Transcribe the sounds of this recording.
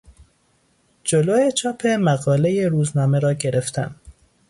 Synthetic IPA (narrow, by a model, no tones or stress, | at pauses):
d͡ʒoloːjet͡ʃʰɒːpʰemæɣɒːlejeɾuːznɒːmeɾɒːɡeɾeft̪ʰæ̰n